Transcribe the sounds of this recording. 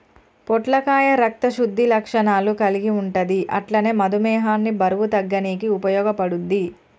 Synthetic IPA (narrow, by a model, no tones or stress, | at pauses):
pɔʈlɐkaːjɐɾɐk̚t̪ɐʃud̪ʱːilɐkʂɐnaːlukɐliɡiuɳʈɐd̪iʔɐ̰ʈlɐne̞ːmɐd̪umɛːɦaːnːibɐɾɐwut̪ɐɡːɐniːk̬iupɐjɔːɡɐpɐɽund̪ːi